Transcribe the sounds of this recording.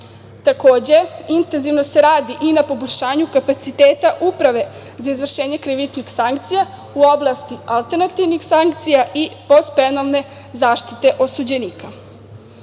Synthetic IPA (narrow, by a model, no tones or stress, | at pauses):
t̪ako̞ːd͡ʑe̞int̪enziʋno̞se̞ɾaːd̪iʔinapo̞boʎʲʃaːɲukapat̪sit̪eːt̪aʔupɾaʋe̞ | zaizʋr̩ʃeːɲe̞kɾiʋit͡ʃnixsaŋkt̪sija | uo̞blˠast̪ialˠt̪eɾnat̪iʋnixsaŋk̚t̪sijaʔipo̞st̪penolne̞ | zaːʃt̪i̥t̪e̞ʔo̞sud͡ʑe̞niːka